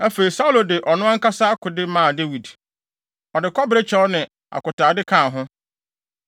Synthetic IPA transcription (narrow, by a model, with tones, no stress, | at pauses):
æ˦fe˨ɾi˨sa˦u˦lo˨dɪ˨ʔɔ˨nʊ̃˦ã˦ŋ̩˦ka˦sa˦a˦kʰʊ˨dɪ˦mãː˦˨de˦wi˨d | ɔ˨dɪ˨kʰɔ˦bɪ˨ɾe˦t͡ɕʰɛ˦ɔ˦nɪ̃˨ | a̰˨kʊ˨taː˨dɪ˦kʰãː˦˨ɦʊ̃˦